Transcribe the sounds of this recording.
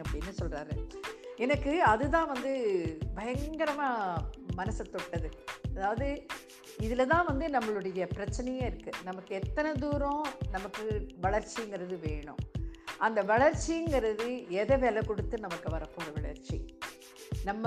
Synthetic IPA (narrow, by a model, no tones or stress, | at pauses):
ɐpːɐɽinːɯsɔlraːɾɯɛnɐkːɯɐðɯt̪ãːʋɐnd̪ɯbʱɐjɐŋɡɐɾɐmaːmɐnɐsɐt̪ːɔʈːɐðɯɐðaːʋɐðɯ | ɪðɪlɐt̪ãːʋɐnd̪ɯnɐmːɐɭɯɽɐjɐpɪɾɐt͡ʃːɐnɐjɐ̃ːɪɾɯkːɯnɐmɐkːɯɛt̪ːɐnɐd̪uːɾõnɐmɐkːɯʋɐɭɐɾt͡ʃːiŋɡɪɾɐðɯʋeːɳʊ̰̃ʔɐnd̪ɐʋɐɭɐɾt͡ʃːiŋɡɪɾɐðɯɛðɐʋɛlɐkɔɽɯt̪ːɯnɐmɐkːɯʋɐɾɐpːoːɾɯʋɐɭɐ̰ɾt͡ʃːḭ | nɐmːɐ